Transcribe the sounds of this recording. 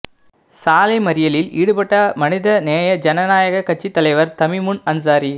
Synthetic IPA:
saːlɐɪmɐɾɪjɐlɪlḭːɽɯpɐʈːɐmɐnɪðɐneːjɐd͡ʒɐnɐnaːjɐɣɐkːɐt͡ʃːit̪ːɐlɐɪʋɐɾt̪ɐmɪmʊnɐns̬aːɾi

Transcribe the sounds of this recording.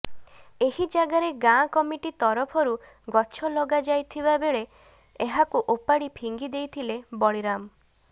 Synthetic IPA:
eɦid͡ʒaɡaɾeɡãkɔmiʈit̪ɔɾɔpʰɔɾu | ɡɔt͡ʃʰɔlɔɡad͡ʒajt̪ʰiβabeɭe | eɦakuʔopaɽipʰiŋɡid̪ejt̪ʰilebɔɭiɾam

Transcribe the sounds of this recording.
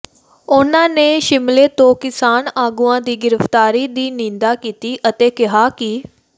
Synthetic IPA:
ʊnãːneːʃɪmleːt̪õːkɪsaːnaːɡuːãːd̪iːɡɪɾəft̪aːɾiːd̪iːnĩːnd̪aːkiːt̪iːʔət̪eːkɪɦaːkɪ

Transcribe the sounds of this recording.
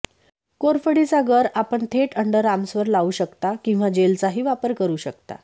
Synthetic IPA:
koɾfəɽit͡saɡəɾapəɳt̪ʰeʈəɳɖəɾamsʋəɾlauːɕəkt̪akĩw̃ʋad͡ʑelt͡saɦiːʋapəɾkəɾuːɕəkt̪a̰

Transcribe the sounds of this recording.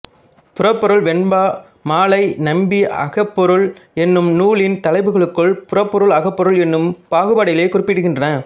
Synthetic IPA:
pʊɾɐpːɔɾɯɭʋɛɳbaː | maːlɐɪnɐmbiʔɐ̰ɣɐpːɔɾɯɭɛnːɯmnuːɭɪnt̪ɐlɐɪʋɯɣɐɭɯkːɯɭpʊɾɐpːɔɾɯɭɐɣɐpːɔɾɯɭɛnːɯmpaːɣɯbaːɽɐjɪleːkʊrɪpːɪɽɯɣɪndrɐnɐ

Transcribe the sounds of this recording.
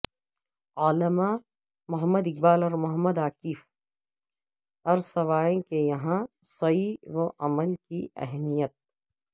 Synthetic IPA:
aːləma | mʊɦəmːəd̪ɪk̚baːlɔɾmʊɦəmːəd̪aːkiːf | ɔɾsɐʋaːẽkejɐɦãsɐiwoʔɐməlkiʔɛ̰ɦmijət̪̚

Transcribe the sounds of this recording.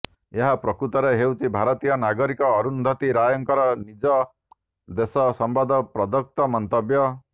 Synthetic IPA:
eɦapɾɔkɾut̪ɔɾeɦewt͡ʃʰibʱaɾɔt̪ijɔnaɡɔɾikɔːɾund̪ʱɔt̪iɾajɔŋkɔɾɔnid͡ʒɔ | d̪esɔsɔmbad̪ʱɔpɾɔd̪ɔk̚t̪ɔmɔnt̪ɔbjɔ

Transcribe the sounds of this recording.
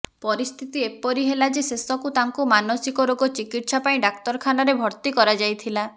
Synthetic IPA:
pɔɾist̪ʰit̪iepɔɾiɦelad͡ʒesesɔkut̪aŋkumanɔsikɔɾoɡɔt͡ʃikiʈsapaĩɖak̚t̪ɔɾkʰanaɾebʱɔɾt̪ikɔɾad͡ʒajt̪ʰila

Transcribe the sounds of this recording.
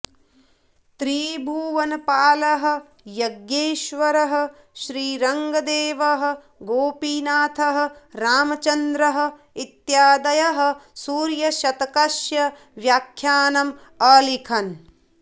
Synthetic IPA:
t̪ɾiːbʱuːʋɐnɐpaːlɐɦɐ̆ | jɐɡjeːʃʋɐɾɐɦɐ̆ | ʃɾiːɾɐŋɡɐd̪eːʋɐɦɐ̆ | ɡoːpinaːt̪ʰɐɦɐ̆ɾaːmɐt͡ʃɐnd̪ɾɐɦɐ̆ | it̪jaːd̪ɐjɐɦɐ̆suːɾjɐʃɐt̪ɐkɐʃjɐ | ʋjaːkʰjaːnɐm | ɐːlikʰɐn

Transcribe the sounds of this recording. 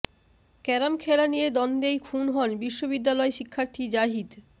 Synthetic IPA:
kɛɾamkʰelanijed̪ɔnd̪ejkʰunɦɔnbiʃːobid̪ːalɔeʃikʰːaɾt̪ʰid͡ʑaɦid̪

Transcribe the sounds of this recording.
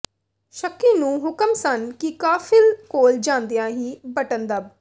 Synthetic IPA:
ʃəkːiːnũːɦʊkəmsənkɪkaːfʰɪlkoːld͡ʒãːnd̪ijãːɦiːbəʈənd̪əb

